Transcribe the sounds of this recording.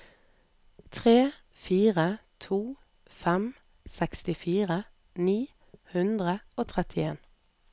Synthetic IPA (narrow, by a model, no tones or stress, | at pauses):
t̪ʰʁeː | fiːʁət̪ʰuː | fɛm | sɛkst̪ɪfiːʁə | niː | hʉnd̪ʁəoːt̪ʰʁɛt̪ʰɪeːn